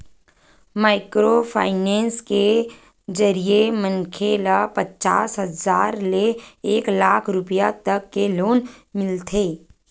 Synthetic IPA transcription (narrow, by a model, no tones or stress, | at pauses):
maːɪkɾopʰa̰ːɪnɛːnske | d͡ʒəɾiemənkʰeːlapət͡ʃa̰ːsɦəzaːɾleeːklaːkʰɾʊpjat̪əkːeloːnmɪlt̪ʰeː